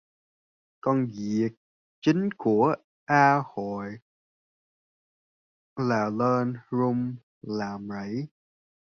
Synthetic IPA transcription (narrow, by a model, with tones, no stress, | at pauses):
kɔ˧nzi˨˩ək̚ | t͡ɕï˨˦ŋ̟ku˧˩ə | ʔaː˧ho̰˧˨j | laː˨˩ləː˧nɹu˧m | laː˨˩mzə̰˧˥˨j